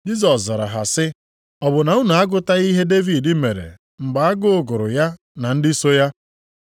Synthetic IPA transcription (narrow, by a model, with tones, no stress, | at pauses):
d͡ʒi˦zɔ˨szɔ˨ɾa̰˨ɦa˨sɪ˦ | ɔ˨bʊ˨na˨˦ʊ˦na˨a˦ɡʊ˦ta˦i˦ɦe˦de˦vi˨dɪ˦me˨ɾḛ˨ | ŋ͡m̩˨ɡ͡ba˨a˦ɡʊ˦ʊ˨ɡʊ˨ɾʊ̰˨ja˦ | na˨n̩˦dɪ˦so˦ja˦